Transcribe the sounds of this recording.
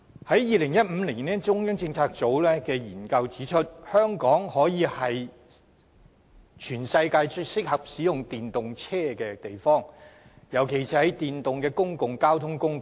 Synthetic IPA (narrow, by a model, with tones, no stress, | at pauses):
hɐ˨˥jjiː˨˧lɪ˨˩ŋjɐ˥t̚m̩ː˨˧liː˨˩nɛ˦˥t͡sʊ˥ŋjœ˥ŋt͡sɪ˧ŋt͡sʰaː˧k̚t͡so˨˥wlɛː˥kɛː˧jiː˨˩nkɐ˧wt͡siː˨˥t͡ʃʰɵ˥t̚hœː˥ŋkɔː˨˥ŋhɔː˨˥jiː˨˧hɐ˨j | t͡ʃʰyː˨˩nsɐ˧jkaː˧jsɪ˥k̚hɐ˨p̚siː˨˥jʊ˨ŋt̪iː˨nt̪ʊ˨ŋt͡sʰɛː˥kɛː˧t̪e˨jfɔː˥˩ŋ | jɐ˨˩wkʰe˨˩jsiː˨˩hɐ˨˥jt̪iː˨nt̪ʊ˨ŋkɛː˧kʊ˥ŋkʊ˨ŋkaː˥wt̪ʰʊ˥ŋkʊ˥ŋ